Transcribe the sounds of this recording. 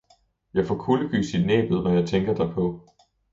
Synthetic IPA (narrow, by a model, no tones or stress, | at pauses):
jɑ̈ɪfɒːkʰuləɡ̥y̰ːsid̥nɛ̰ːb̥ð̩ˠʋæjɑ̈ɪt͡sʰeŋɡ̥ɐd̥ɑ̈ɪpʰɒ̽